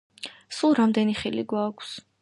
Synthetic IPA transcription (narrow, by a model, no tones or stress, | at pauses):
sulˠɾamd̪ɛniχilḭɡwakʷʰs